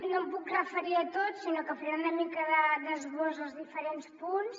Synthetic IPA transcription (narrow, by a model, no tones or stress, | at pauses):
nompukrəfəɾiət̪otsinokəfɾiɾaunəmikəðəðəzɣozəlˠzðifəɾenspuns